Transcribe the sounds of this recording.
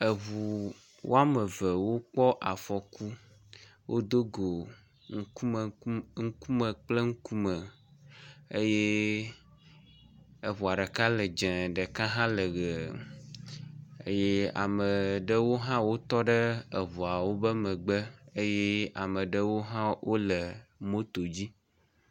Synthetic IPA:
ə˨vu˨ | wʔo̰˦a˦mə˨və˨wo˦k͡pɔ˦ʔa˨fɔ˨ku˦ | wʔo˦d̪o˦ɡo˨ | ŋ̩˦u˦m˨ŋ̩˦ku˦mə˨k͡ple˦ŋ̩˦ku˦mə˨ | e˦je˦ | ə˨βu˨a˨ɖə˨ka˦lə˨d͡ʒɛ̃˨ɖə˨kã˦ɦã˦lə˨ɣə˨ | ḛ˦je˦a̰˨mə˨ɖə˦wo˦ɦã˦wo˦t̪ɔ˦ɖə˦ə˨βɔ˨a˨wo˦bə˦mə̃˨ɡ͡bə˦e˦je˦a˨mə˨ɖə˦wo˦ɦã˦wʔo˦lə˨mo˦t̪o˨d͡ʑi˦

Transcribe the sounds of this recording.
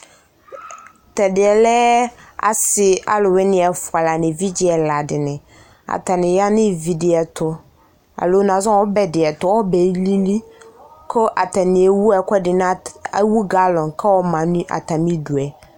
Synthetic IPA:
tɛ˨dɪ˨ɛ˨lɛ˦a̰˨sɪ˨a̰˦lʊ˨wɪ˦nɪ̃˨ɛ˨fʊ˨a˨la˨nɪ̃˨vi˦d͡ʑɪ˦ɛ˨la˨dɪ˨nɪ̃˨ | a̰˨ta˨nɪ̃˨ja˦nɪ̃˦vi˨de˨ɛ˨tʰʊ˦ | a̰˨lo˦nã˨zã˦wɔ˦bɛ˨dɪ˨ɛ˨tʊ˨wɔ˦bɛ˨li˦nĩ˦kʰo˦ʔa˨ta˨nɪ̃˨e˨wu˦a˨kʷɛ˦dɪ˨ñ˦wu˦ɡa˦lɔ̃˨nkʰɛ˦wɔ˦mã˨nũ˦ʔa̰˨ta˨mĩ˦du˨ɛ˨

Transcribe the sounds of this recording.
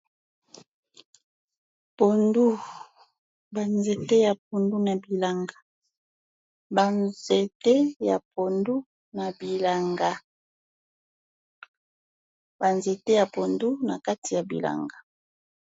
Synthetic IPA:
po˨ndu˦ | ba˨nze˨te˦ja˨p̚o˨ndu˦na˨bi˨la˨ŋɡa˨ | ba˨nze˨te˦ja̰˨po˨ndu˦ | na˨bi˨la˨ŋɡa˦ | ba˨nze˨te˦ja˨po˨ndu˦na˨ka˦ti˨ja˨bḭ˨la̰˨ŋɡa˨

